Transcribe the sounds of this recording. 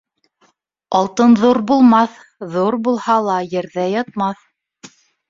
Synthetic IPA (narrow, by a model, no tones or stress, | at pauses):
ɑlˠt̪ɤnðuɾbulˠmɑθ | ðuɾbulˠhɑlˠɑjɘ̆ɾðæjɑt̪̚mɑθ